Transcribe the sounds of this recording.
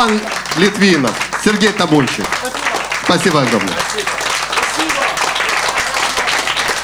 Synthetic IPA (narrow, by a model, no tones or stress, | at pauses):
an | lʲɪt̪vʲinəfsʲɪrɡʲejt̪ɐbulʲɕɪ̰ | spɐsʲibəɐɡɾo̰mnə̰jə̰